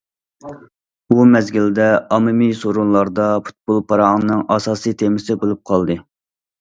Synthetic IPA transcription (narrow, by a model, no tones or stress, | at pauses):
bumɛzɡʲild̪ɛɑmɨmisoɾunlˠɑɾd̪ɑpʰu̥t̪̚bolˠpʰɑɾɑŋnɨŋɑsɑːsɨjt̪ʰemɪsɪbolˠup̚qʰɑlˠd̪ɨ